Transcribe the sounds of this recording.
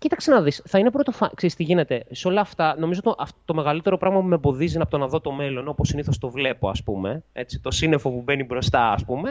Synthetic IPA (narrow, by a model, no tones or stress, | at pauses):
cit̪ɐksenɐðisθɐine̞pɾo̞t̪ofɐkseɾist̪iʝine̞t̪e̞seo̞lɐːft̪ɐno̞mizoot̪iʔɐftt̪o̞me̞ɣɐlit̪e̞ɾo̞pɾɐɣmɐpumebo̞ðizinɐpot̪onɐðo̞t̪o̞me̞lo̞noposiniθost̪o̞vle̞poɐspume̞e̞t͡si̥t̪o̞sine̞fo̞pube̞nibɾo̞st̪ɐɐspume̞